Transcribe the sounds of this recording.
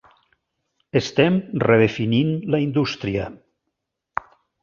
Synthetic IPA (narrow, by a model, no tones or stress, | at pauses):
est̪ɛmreðefininlaind̪ust̪ɾiə̰